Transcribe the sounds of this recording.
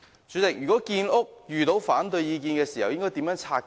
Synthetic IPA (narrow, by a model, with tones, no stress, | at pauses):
t͡ʃyː˨˥tɪ˨k̚jyː˨kɔː˨˥kiː˧nʔʊ˥k̚jyː˨t̪o˨˥wfaː˨˥nt̪ɵ˧jjiː˧k̬iː˧nkɛː˧siː˨˩hɐ˨wjɪ˥ŋkɔː˥jt̪iː˨˥mjœː˨˥ŋt͡sʰaː˧